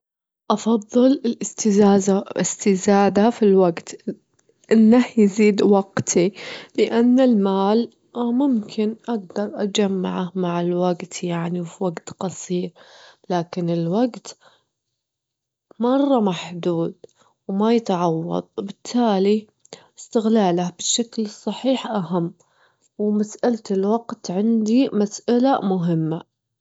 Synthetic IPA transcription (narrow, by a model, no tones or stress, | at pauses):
ʔɑfɑðˤːɨlɪlʔɪst̪ɪzaːzaʔɪ̰st̪ɪzaːd̪afilwaɡt̪ | ʔɪnːahjɪziːd̪waɡt̪ʰilɪʔanːɪlmaːl | mʊmkʰɪnʔaɡd̪ɑɾˤʔad͡ʒamːa̰ʕahmaʕɪlwaɡt̪jaʕniwfiwaɡt̪qɑsˤiːɾlaːkɪnɪlwaɡt̪ | mɑrˤːɑmaħd̪uːd̪̚ | wmajɪt̪ʕɑwːɑ̰d̪ˤwbɪt̪ʰːaːli | ɪst̪ɪɣlaːlahbɪʃːaklɨsˤːɑħiːħʔaɦamː | wmasʔalt̪ɪlwaɡ̥t̪ʕɪnd̪imasʔalamʊɦɪmːa